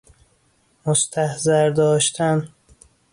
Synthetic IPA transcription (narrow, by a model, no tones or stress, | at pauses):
most̪ʰæhzæɾd̪ɒːʃt̪ʰæn